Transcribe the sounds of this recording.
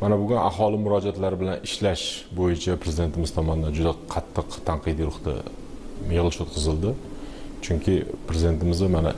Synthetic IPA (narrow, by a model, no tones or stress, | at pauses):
manabʊɡʲʊna̰ɦɒlɪmʊɾɒd͡ʒat̪laɾɪbɪlanʔɪʃlaʃbojɪt͡ʃʰapʰɾezɪd̪e̞nt̪ʰɪmɪz̥t̪ʰɒmɒnɪd̪and͡ʒʊd̪aqʰɑt̪ʰːɨqt̪ʰanqɨd̪iɾʊχt̪a̰ | meʁlˠɪʃot̪̚qʰɨzɪlˠd̪ɪt͡ʃʰʊŋkʲʰɪpɾezɪd̪e̞t̪ɪmɪzɪmana̰